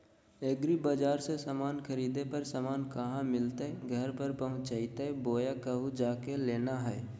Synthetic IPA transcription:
eɡɾibaːd͡ʒaːɾsesamaːnkʰəɾiːd̪epəɾsəmaːnkəɦãmɪlt̪eɡʱəɾpəɾpəɦʊ̃t͡ʃt͡ʃaːɪt̪eboːjakəɦud͡ʒaːkeleːnaɦɛː

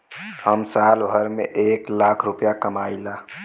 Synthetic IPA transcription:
həmsalbʱəɾmḛʔeːklakʰɾupjakəmaːila

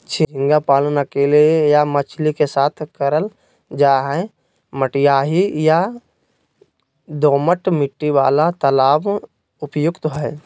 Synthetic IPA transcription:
t͡ʃʰɪd͡ʒɪ̃ŋɡapaːlnakeliejamət͡ʃʰlikesaːt̪ʰkəɾəl | d͡ʒaːɦɛ | məʈijaːɦija | d̪oːməʈmɪʈːiwaːlat̪əlaːb | ʊpjʊkt̪ɦɛ

